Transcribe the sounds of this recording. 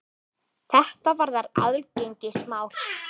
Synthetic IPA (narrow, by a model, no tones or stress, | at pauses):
θɛht̪avaɾðaɾa̰ðlcejɲcɪsmaːwɾ̥